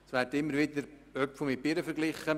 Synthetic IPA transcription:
sʋæːɾtɪmːəɾʋɪd̪əɾœpfomipɪɾəfəɾɡlɪχə

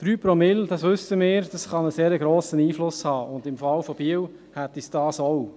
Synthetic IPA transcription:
d̥ɾyːpɾɔmɪld̥ɑsʋʏsəmɪːɾd̥ɑsχɑnəseːɾəɡɾoːsəniːflʊshɑːʊndɪmfɑlfɔb̥iəw | hæt̪isd̥ɑːsɔw

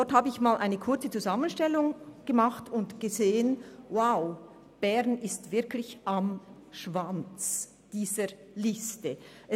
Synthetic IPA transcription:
d̥ɔthaːbəɪçmaːlʔaɪnəkʰʊɐt͡sət͡suzamənʃtɛlʊŋɡ̥əmaχtʊntɡ̥əzeːənwaʊ | b̥ɛʁnɪstv̥ɪɐklɪçamʃv̥ant͡s | d̥iːzəlɪstəʔɛ

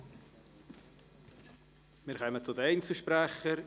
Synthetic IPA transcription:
mɪɾχœmət͡sʊd̪əɛɪnt͡suʃpɾæχə

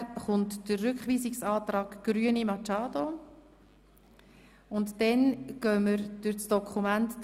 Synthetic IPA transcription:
χʊntd̥ərːʏkχʋiːsɪksɑːt̪rɑːɡɡ̥ɾyənimɑt͡ʃɑːdo | ʊntdɛnɡ̥œməɾd̥ʊɾt͡sd̥ɔkʰχumænt

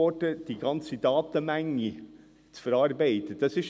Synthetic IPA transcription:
oːʈəd̪̥iɡɑnsəd̪ɑːt̪əmæŋə | t̪fɔɾɑɾbæɪt̪əd̪ɛsɪʃ

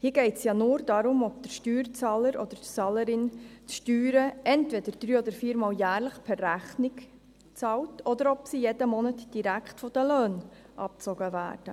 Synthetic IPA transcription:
hiəɡɛɪtsjɑːnʊːɾd̥ɑɾʊmɔb̚d̥̪əɾʃtyːɾt͡sɑːləɾʔɔ̰d̥̪əɾtt͡sɑːləɾɪntʃtyːɾəʔɛntvɛdəɾd̥̪ɾyːɔd̪əɾfiːɾmɑːljæːrləχpʰɛræχnɪk | t͡sɑltʰɔd̪əɾɔpsijɛdəmɔnətd̥iɾækχtfɔd̥əløːn | ʔɑ̰p̚t͡sɔɡ̥əvæ̰ːɾd̥ə

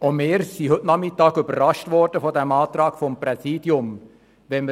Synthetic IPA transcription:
omɪːɾsiɦɵtnɑmɪtːɑːɡʏbərːɑʃtvɔrd̥əfɔdæmɑːt̪ɾɑːkfɔmpɾɛsiːd̥jʊm | ʋɛnmə

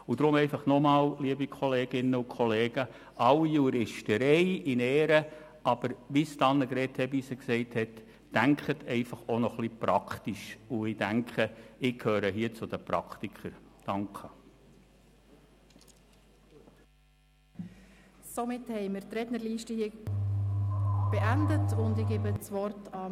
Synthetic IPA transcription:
ʊd̥̪ɾʊmɛɪfɑχnɔmɑːlliəbikʰɔleːɡ̥ɪnːəʊkʰχɔleːɡ̥ə | ʔɑwijuːɾɪʃtəɾɛɪɪnɛːɾə | ɑb̥əɾʋist̪ɑnːəkɾɛthɛisəksɛɪthɛtː | æŋkχətʰɛɪfɑχonɔχlipɾɑkχt̪iʃʊɪd̥æŋkχəɪkʰhøːɾəɦiət͡sʊd̥əpɾɑkχtikχəɾd̥ɑŋkχə | somɪthɛɪmɪɾtɾɛtnəɾliːʃtəhiə | b̥eʔændətʊndɪɡ̥ebət͡sʋɔrtɑ

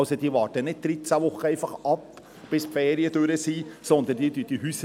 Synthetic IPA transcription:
ʊsod̥̪iːʋɑːɾtənɪt̚d̪̥ɾɪt͡sæʋʊχəɛɪfɑχʔɑp | b̥ɪspfɛːɾiəd̥øɾəsiːsɔnd̪ənd̥iːdyːd̥ihyːs

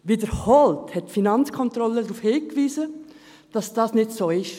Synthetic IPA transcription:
ʋidəɾhɔlthɛtːfinɑnt͡skʰɔnt̪ɾɔlədɾuːfhɪːkʋiːzə | d̥ɑsd̥ɑːsnɪtsoːɪʃ

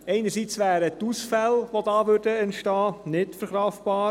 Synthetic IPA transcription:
ɛɪnəɾsit͡sʋæːɾətusfɛlʋodɑːʋʉɾdəɛntʃtɑːnɪtfəɾχɾɑfb̥ɑː

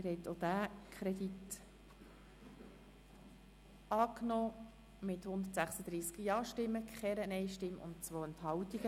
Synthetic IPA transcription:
ɪɾhɛɪt̪od̪æːkʰɾɛdit | ɑːknɔː | mɪthʊnd̪ətsæχsəd̪ɾiːskəjɑːʃtɪmːəkχɛɾənɛɪjʃtɪmːʊ̰ntt͡sʋoːənthɑwtiɡə

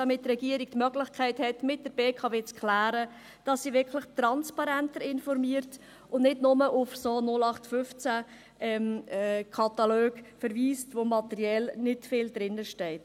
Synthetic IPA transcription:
d̥ɑmɪttːrɛɡiəɾik̚tmœɡlɪχkʰɛɪthɛtmɪt̚d̥əɾb̥eːkʰɑveːt͡skχlæːɾə | d̥ɑsːiːʋɪɾkʰləχtɾɑnspɑɾæntəɾɪnfɔɾmiəɾt | ʊndnɪdnʊməʔʊfsoːnʊlɑχtfʏft͡sæ | ɛmkʰɑtɑløːɡfəɾʋiːstʋomɑtɛɾiɛlnɪtfɪldɾɪnːəʃtɛɪt

